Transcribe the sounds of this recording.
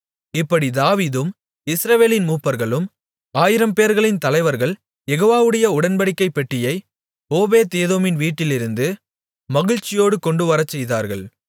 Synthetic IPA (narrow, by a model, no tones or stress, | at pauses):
ɪpːɐɽid̪aːʋiːðɯm | ɪsɾɐʋeːlɪnmuːpːɐɾɣɐɭɯm | aːjɪɾɐmpeːɾɣɐɭɪnt̪ɐlɐɪʋɐɾɣɐɭ | jɛɣoːʋaːʋɯɽɐjɐʊɽɐnbɐɽɪkːɐɪpːɛʈːɪjɐɪ | oːbeːt̪eːðoːmɪnʋiːʈːɪlɪɾɯnd̪ɯ | mɐɣɪɻt͡ʃːɪjoːɽɯkɔɳɖɯʋɐɾɐt͡ʃːɛjða̰ːɾɣɐɭ